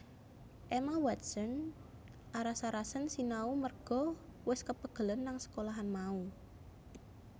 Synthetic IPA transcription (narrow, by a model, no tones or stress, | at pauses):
ʔemawat̪̚sən | ʔaɾasaɾasənsinaumərɡ̥ɔ̤wɪskəpəɡ̥ə̤lənːaŋsə̥kolaɦanmau